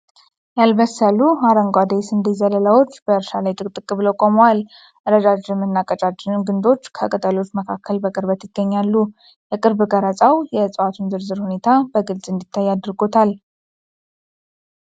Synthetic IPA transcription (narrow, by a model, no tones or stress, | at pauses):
jalməsəluhaɾəŋɡʷad̪esɨnd̪izələlawo̞t͡ʃːb̥əɨɾʃalajt̪ʼɨkʼt̪ʼɨkʼɨβləkʼomowal | ʔɨɾəd͡ʒad͡ʒɪmːɨnːakʼət͡ʃʼat͡ʃːɪnɨɡɨnd̪o̞t͡ʃːkʰəkʼət̪ʼəlo̞t͡ʃːməkʰakʰːəlbəkʼɨɾbət̪jɪɡːəɲːalːu | jɛkʼɨɾbɨɡaɾat͡sʼawjɛsʼəwat̪ʰunzɨɾzɨɾhune̞t̪ʰabəɡɨlsʼɨnd̪it̪ʰːajːad̪ɾɡo̞t̪ʰal